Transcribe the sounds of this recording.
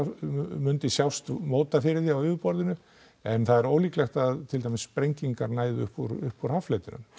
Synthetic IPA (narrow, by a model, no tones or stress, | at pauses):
mʏnt̪ɪsjawst̪moːwt̪afɪɾɪɾθiawʏːvʏɾpɔɾðɪnʏ | ɛnθaðɛɾoːwliːklɛxt̪aðt̪ʰɪlt̪ajmɪsːpɾejɲciŋkaɾnaːjðʏʏhpuɾʏhpuɾ̥haflœt̪ɪnʏ̰m